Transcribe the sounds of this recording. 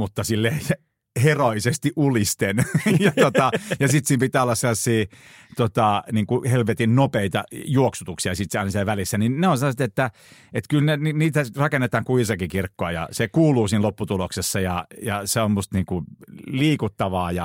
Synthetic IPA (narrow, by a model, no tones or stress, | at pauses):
mut̪ːɑsilːes | heroisest̪iʔulist̪enjɑt̪ot̪ɑjɑsit̪siːmpit̪æːolːɑsselːɑsːiː | t̪ot̪ɑniːŋkuhelʋet̪innopeit̪ɑ̰juoksut̪uksiɑsit̪ɑˑinɑsieʋælisːæninneonsɑnost̪et̪ːæ | et̪kylneniniːt̪ærɑkenːet̪ɑːŋkuisɑkikirkːoɑjɑ̰sekuːluːsiːnlopːut̪uloksesːɑjɑjɑseommust̪niːŋkuliːkut̪ːɑʋɑːjɑ